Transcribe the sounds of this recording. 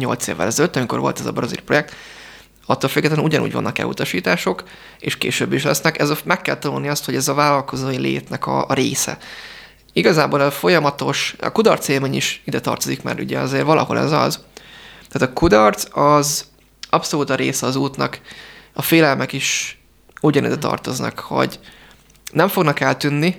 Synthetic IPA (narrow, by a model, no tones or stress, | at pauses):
ɲo̞̰lt̪sḛːvːɛ̰lɛzɛløt̪ːɒmiko̞̰ɾvo̞̰lt̪ɛzɒ̰brɒzḭlpro̞jɛk̚t̪ | ɒt̪ːolfyɡːɛt̪lɛnuɟɒnṵːɟvɒ̰nːʔɒkɛ̰lṵt̪ɒʃiːt̪aːʃo̞k | eːʃkḛːʃøbːiʃlɛsnɛkɛzɒmɛkːɛlt̪ɒnulniɒst̪ho̞ɟɛzɒvaːlɒlko̞zoːjilḛːt̪nɛkɒ̰ːɾeːsɛ̰ | iɡɒzaːboːlɛzɒfo̞jɒmɒt̪o̞ʃɒ̰kud̪ɒrt̪seːlmeːɲiʃid̪ɛt̪ɒ̰rt̪ozikmɛ̰ːɾṵɟɛɒzeːrvɒlʔɒ̰ɦo̞lʔɛ̰zɒ̰zt̪ɛːt̪ɒkud̪ɒrt̪sɒz | ɒpso̞luːt̪ɒɾeːsɛɒzuːt̪nɒkɒfeːlɛlmɛkiʃ | uɟɒnḭd̪ɛt̪ɒ̰rt̪o̞znɒ̰kho̞̰ɟ | nɛɱfo̞ɡnɒkɛlt̪ynːi